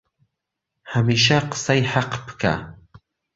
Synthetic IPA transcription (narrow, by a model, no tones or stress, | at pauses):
hamiʃaqə̥sajħaqbɨ̥kʰa̰